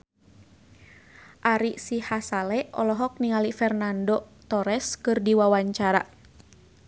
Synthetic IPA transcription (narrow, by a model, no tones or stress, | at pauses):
ʔaɾisihasalɛʔɔ̰lɔɦɔk̚niŋalifɛrnandot̪ɔɾɛskɨrdiwawaɲt͡ʃaɾa